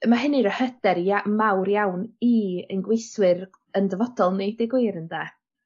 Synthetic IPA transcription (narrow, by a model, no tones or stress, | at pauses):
maɦɪnɨɾəhəd̥ɛɾamawrjawniənɡwejswɪr | əndəvɔd̥ɔlˠnedɪɡwɪɾəndaː